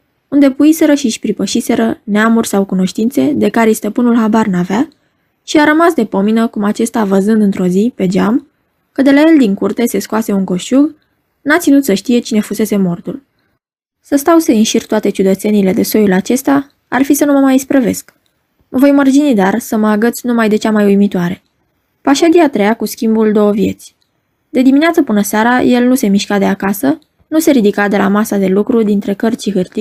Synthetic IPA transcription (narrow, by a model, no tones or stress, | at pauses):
und̪e̞puise̞ɾəʃiʃʲpɾipəʃise̞ɾəneamurʲsawkuno̞ʃt̪int̪se̞d̪e̞kaɾest̪əpɨnulɦabarnava | ʃiaɾəmasd̪e̞po̞minəkumat͡ʃe̞st̪avəzɨnd̪ɨnt̪ɾo̞zipe̞d͡ʒam | kəd̪e̞lae̞ld̪iŋkurt̪e̞se̞skoase̞unŋko̞ʃuɡ | nat̪sinut̪səʃt̪ije̞t͡ʃine̞fuse̞se̞mo̞rt̪ul | səst̪awseinʃirt̪oat̪e̞t͡ʃud̪ət̪se̞nile̞d̪e̞so̞julat͡ʃe̞st̪ea | a̰rfisənuməmajispɾəve̞sk | məvo̞jmərd͡ʒinid̪arsəməaɡət̪sʲnumajd̪e̞t͡ʃamajujmit̪oaɾe̞ | paʃaɡʲiat̪ɾe̞jakuskʲimbuld̪o̞wəvje̞̰t̪sʲ | d̪e̞d̪imineat̪səpɨnəseaɾaje̞lnuse̞miʃkad̪e̞akasə | nuse̞ɾid̪ikad̪e̞lamasad̪e̞lukɾud̪int̪ɾe̞kərt͡ʃiɦɨrt̪i